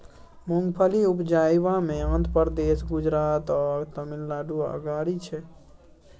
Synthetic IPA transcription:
muŋɡpʰəliupd͡ʒajbameə̃nd̪pəɾd̪esɡud͡ʒɾaːt̪ɔɾt̪əmilːaɖuə̰ɡaɽit͡ʃʰɛ

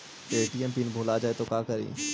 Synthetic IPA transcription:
t̪eʈiːɛmpiːnbʱoːlad͡ʒaːet̪okãːkəɾḭː

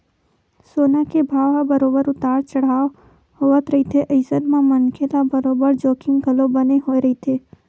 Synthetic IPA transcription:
soːnakebʱaːʋabəɾoːbəɾʊt̪aːɽt͡ʃəɽ̤aːʋ | hoʋət̪ɾəit̪ʰeʔəɪsəd̪mãmənkʰelabəɾoːbəɾd͡ʒoːkɪ̃ŋɡəlobəneɦoːeɾəɦit̪ʰeː

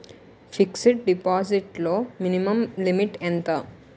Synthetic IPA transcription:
fiksiʈ̚ɖipɔziʈlominiməmlimiʈɛ̃nt̪ə

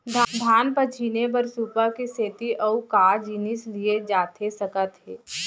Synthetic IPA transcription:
d̪ʱad̪ʱaːnpət͡ʃʰinebəɾsuːpəkiseːt̪iʔəukaːd͡ʒiːnislied͡ʒaːt̪ʰesɐkət̪ɦeː

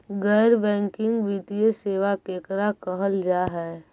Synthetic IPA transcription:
ɡəːɾbɛ̃ːŋkɪ̃ŋɡʋiːt̪ijeseːʋakeːkɾakəɦəld͡ʒaːɦɛː

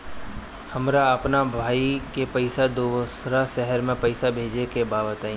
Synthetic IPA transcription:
hɐmɾaɐpnabʱaːikepɐɪsad̪osɾaʃɛɦəɾmẽpɐɪsabʱeːd͡ʒekebaːbət̪aːĩ

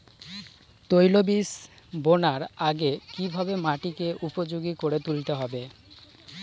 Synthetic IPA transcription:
t̪ojlobis | bonaɾaɡekibʱabemaʈikeʔupod͡ʑoɡikoɾet̪ulit̪eɦɔbe

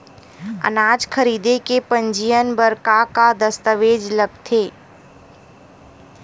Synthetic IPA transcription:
ə̰naːd͡ʒkʰəɾiːd̪ekepə̃ɲd͡ʒijənbəɾkakad̪əst̪əʋeːd͡ʒləb̚t̪ʰeː

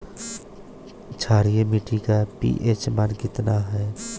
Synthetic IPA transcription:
t͡ʃʰaːɾijemɪʈikapḭːʔeːt͡ʃmənkɪt̪naɦɛː

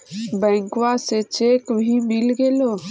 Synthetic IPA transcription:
bɛ̃ːŋkʋaset͡ʃeːkbʱimɪlɡeloː

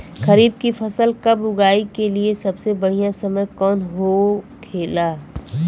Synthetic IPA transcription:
xɐɾiːb̚kifɐsəlkɐbʊɡaːikeliesɐbsebɐɽ̤ijãsɐməjkɔːnɦokʰeːlaː

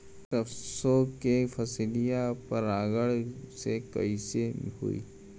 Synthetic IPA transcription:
ʈəfsokefʰɐslijapɐɾaːɡəɭsekɐ̰iseɦṵḭː

